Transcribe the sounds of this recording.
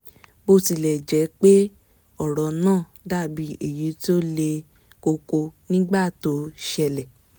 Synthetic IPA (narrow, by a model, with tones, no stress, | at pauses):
bo˧ti˧˨lɛ˨d͡ʒɛ˨˦k͡pe˦ | ɔ˨ɾɔ˨nãː˦˨ | da˦˨bi˨˧˦e˨ji˨˦to˦le˧ | ko˧ko˧nĩ˦ɡ͡ba˦˨to˨˦ʃɛ˧lɛ˨